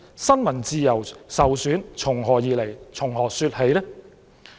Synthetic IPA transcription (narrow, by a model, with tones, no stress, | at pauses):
sɐ˥nmɐ˨˩nt͡siː˧jɐ˨˩wsɐ˨wsyː˨˥nt͡ʃʰʊ˨˩ŋɦɔː˨jiː˨le˨˩jt͡sʰʊ˨˩ŋɦɔː˨˩syː˧t̚he˨˧˥jlɛ˥